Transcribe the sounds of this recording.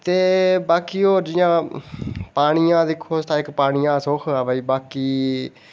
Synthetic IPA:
t̪eːbaːkiːoːɾd͡ʒɪjãː | paːɽ̃ɪjãːd̪ɪkʰːoːst̪ãːɪkpaːɽ̃ɪjãːsokʰaːbəiːbaːkiː

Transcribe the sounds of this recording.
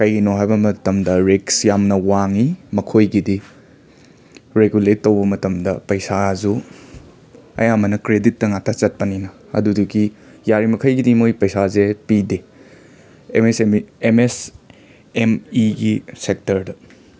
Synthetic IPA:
kɐjɡinoɦajbɐmɐtɐmdɐɾeksjamnɐwaŋimɐkʰojɡidi | ɾeɡuletːowbɐmɐtɐmdɐpɐjsazu | ɐ̰jamɐnɐkɾeditːɐŋatʰat͡ʃɐt̚pɐninɐ | ɐ̰duduɡijaɾimɐkʰɐjɡidimojpɐjsazepide | ḛmesemes | emiɡisek̚tɐɾdɐ

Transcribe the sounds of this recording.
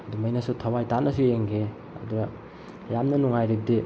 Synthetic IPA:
ɐdumɐjnɐsutʰɐwajtanɐsueŋkʰe | ɐ̰duɡɐ | jamnɐnuŋajɾib̚di

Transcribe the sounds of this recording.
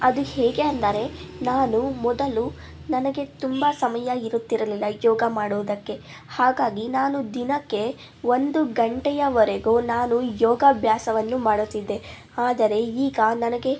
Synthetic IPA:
ɐd̪uhɛːɡe̞ɐnd̪ɐɾe̞naːnumɔd̪ɐlu | nɐnɐɡe̞t̪umbɐsɐmɐjɐiɾut̪ːiɾɐlilːɐjɔːɡɐmaːɽuʋːd̪ɐkːe̞ | haːɡaːɡinaːnud̪inɐkːe̞ | ʋo̞nd̪uɡɐɳʈɛjɐʋɐɾeɡoːnaːnujɔːɡɐbʱjaːsɐʋɐnːumaːɽut̪ːid̪ːe̞ | aːd̪ɐɾe̞iːɡɐnɐnɐɡe̞

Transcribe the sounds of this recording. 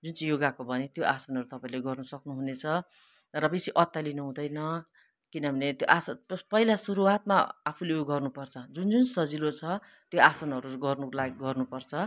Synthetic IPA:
d͡zunt͡sʌjoɡakobʱʌnet̪joʔasʌnʌɾut̪ʌpaĩleɡʌrnʌsʌknuɦunet͡sʰʌ | rʌbesiʔʌt̪ːalinuɦũd̪ʌjnʌ | kinʌbʱʌnet̪joʔasʌpʌɦilasuɾuat̪̚maapʰulejoɡʌrnupʌrt͡sʰʌd͡zund͡zunsʌd͡zilot͡sʰʌ | t̪joʔasʌnʌɾuɡʌrnuklaɡiɡʌrnupʌrt͡sʰʌ

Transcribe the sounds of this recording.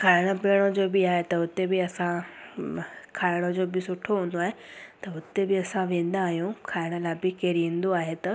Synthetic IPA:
kʰaːɪɽ̃əpeːɽ̃od͡ʑoːbɪaːɦet̪ɐʊt̪ebɪɐsã | kʰaːɪɽ̃od͡ʑoːbɪsʊʈʰoɦũːnd̪oaːɦet̪ɐʊt̪ebɪɐsãʋẽːn̆d̪aːɦijũkʰaːɪɽ̃əlaːɪbɪkeːɾĩːn̆d̪oaːɦet̪ɐ

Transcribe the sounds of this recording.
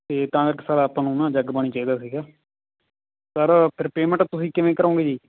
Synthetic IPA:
t̪eːt̪ãːkəɾkɪsaːɾaːəpãːnũːnãːd͡ʒəɡbaɳ̃iːt͡ʃaːiːd̪aːsiːɡaː | səɾpʰɪɾpeːmə̃ɳʈt̪ʊsĩːkɪʋẽːkəɾõːŋɡeːd͡ʒiː

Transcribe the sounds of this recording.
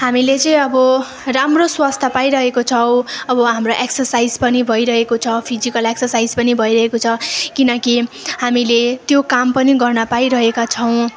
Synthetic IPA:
ɦamilet͡sʌĩʌbʌ | ramroswast̪ʰapaiɾʌɦekot͡sʰʌw̃ʌbʌɦamroʔeksʌrsaid͡zpʌnibʱʌjɾʌɦekot͡sʰʌpʰizikʌleksʌrsaid͡zpʌnibʱʌiɾʌɦekot͡sʰʌkinʌkiɦamilet̪jokampʌniɡʌrnʌpaiɾʌɦekat͡sʰʌw̃

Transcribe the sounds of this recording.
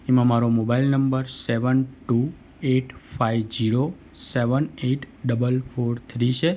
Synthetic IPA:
emãmaɾomobailnəmbəɾseʋənʈu | eʈfaiʋd͡ʒiɾo | seʋəneʈ | ɖəbəlfʰoɾt̪ʰɾit͡ʃʰe

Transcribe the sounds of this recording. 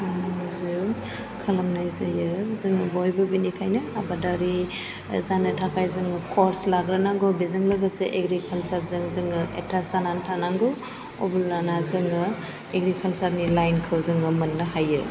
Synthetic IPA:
mzɯ | kʰɐlɐmnajzajɯzɯŋɯbɔjbɯbinikʰajnɯabadaɾi | zanɯtʰakʰajzɯŋɯkʰɔɾslaɡɾɯnaŋɡɔbezɯŋlɐɡɯseʔeɡɾikʰalsat̚zɯŋzɯŋɯḛtʰasanantʰanaŋɡɔ | obulnanazɯŋɯ | eɡɾikʰalsat̚nilajnkʰɯwzɯŋɯmɐnːɯɦajɯ

